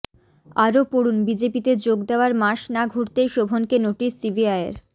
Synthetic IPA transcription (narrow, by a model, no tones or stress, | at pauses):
aɾopoɽunbid͡ʑepit̪ed͡ʑoɡd̪eoaɾmaʃnaɡʱuɾt̪eʃobʱonkenoʈisːibiajḛɾ